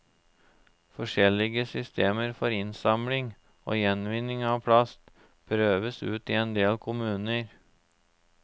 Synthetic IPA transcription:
fɔʂɛlɪɡəsʏst̪eːməɾfɔɾɪnsɑmlɪŋ | ʔo̰ːjɛnʋɪnːɪŋɑʋpʰlɑst̪ | pʰɾøːʋəsʉ̰ːt̪ɪɛnd̪eːlkʰʊmʉːnəɾ

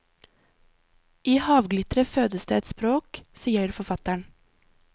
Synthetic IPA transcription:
iːhɑːʋɡlɪt̪ɾəføːd̪əsd̪ḛːɛt̪spɾoːksiːəɾfɔfɑt̪æɳ

